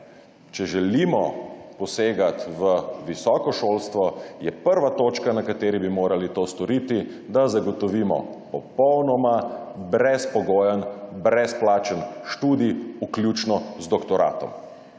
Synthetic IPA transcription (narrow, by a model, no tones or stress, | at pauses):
t͡ʃɛʒɛlimɔpɔseːɡat̪ʋəʋisɔːkɔʃoːlst̪ʋɔjɛpəɾʋat̪oːt͡ʃkanakat̪eːɾibimoːɾalit̪oːst̪ɔɾit̪i | d̪azaɡɔt̪ɔʋiːmɔ̰pɔpɔwnɔmabɾɛspɔɡoːjənbɾɛsplaːt͡ʃənʃt̪uːd̪iuklʲjuːt͡ʃnɔzd̪ɔkt̪ɔɾa̰t̪ɔ̰m